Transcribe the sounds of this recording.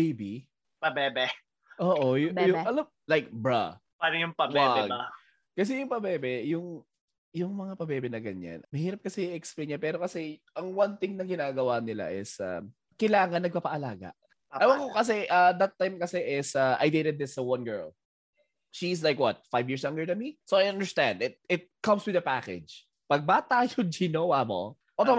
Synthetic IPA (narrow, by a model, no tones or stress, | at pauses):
bejbi | pɐbɛːbɛ | ʔoːʔojʊjʊɐlɐ | lajk̚bɹa̰ | paːɾɐjʊŋpɐbwaɛɡɐ | kɐs̬ɛjʊŋpɐbɛːbɛjʊŋ | jʊŋmɐŋapɐbɛːbɛnɐɡɐɲːa̰nmɐhiːɾɐp̚kɐsɛiʔɛksplejɲɛpɛːɾokɐsɛʔɐŋwɐnt̪ɪŋnɐɡɪnaːɡɐwanɪla̰ʔɪsɐ̰m | kɐjlaːŋɐnːɐɡ̚papɐʔɐlaːɡɐ̰ʔ | ajwɐŋokɐs̬ɛʔɐd̪ɐt̪ːajmkɐsɛʔɪsɐʔa̰jd̪eɾɛd̪̚ɪsowɐ̃nɡɛɹl | ʃis̬lajkwɔt̪̚fajvjiɹsɐŋɡəɹd̪ɐnmisoajɐ̃nd̪əɹst̪ãnd̪ɪt̪̚ɪt̪̚kɐmswɪðɐpakɛ̰d͡ʒ | pɐɡ̚baːt̪ajod͡ʒinowamo̰ | ʔot̪o